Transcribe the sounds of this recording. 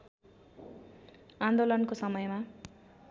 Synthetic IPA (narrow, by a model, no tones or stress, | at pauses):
and̪olʌnkosʌmʌjma